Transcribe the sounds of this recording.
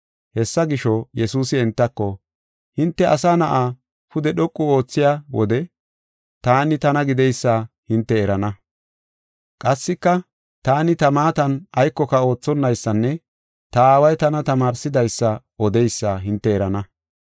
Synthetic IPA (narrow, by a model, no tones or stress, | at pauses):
hɛsːɐɡɪʃɔjɛsuːsɪɛnt̪ːɐkːɔ | hɪnt̪ːɛʔɐsaːnɐʔaː | pʊd̪ɛɗɔkʼːʊo̞ːt͡sːɪjaːwɔ̰d̪ɛ | t̪aːnɪt̪ɐnɐɡɪd̪ɛjsːa | hɪnt̪ːɛːɾɐnɐ | kʼɐsːɪkːɐ | t̪aːnɪt̪ɐmaːt̪ɐnɐjkːɔkɐo̞ːt͡sːɔnːɐjsːɐnːɛ | t̪ɐaːwɐjt̪ɐnɐt̪ɐmaːɾsɪd̪ɐjsːɐ | ɔd̪ɛjsːaɦɪnt̪ːɛːɾɐnɐ